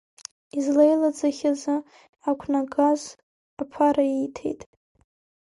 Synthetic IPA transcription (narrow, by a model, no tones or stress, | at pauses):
izlejlad͡zaχʲazɨ | akʷʰnaɡaz | apʰaɾaijtʰe̞̰jtʼ